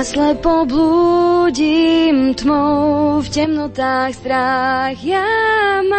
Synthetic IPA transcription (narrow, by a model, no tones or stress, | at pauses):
slɛpɔbluːɟimt̪mɔwfcɛmnɔt̪aːxst̪ɾaɣxjam